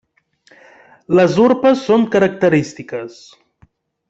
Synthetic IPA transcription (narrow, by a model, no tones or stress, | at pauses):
ləzuɾpəsːoŋkəɾək̚t̪əɾist̪ikəs